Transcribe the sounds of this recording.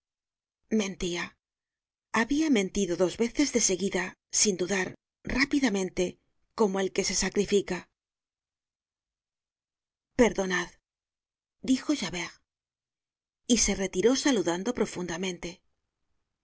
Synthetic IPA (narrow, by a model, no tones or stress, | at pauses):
mẽ̞nt̪ia | aβiamẽ̞nt̪iðo̞ðo̞zβe̞θe̞zðe̞se̞ɣiða | sind̪uðaɾ | rapiðamẽ̞nt̪e̞ | ko̞mo̞e̞lke̞se̞sakɾifika | pe̞ɾðo̞nað | d̪ixo̞ʝaβe̞ʁ | ise̞re̞t̪iɾo̞saluðand̪o̞pɾo̞fund̪amẽ̞nt̪e̞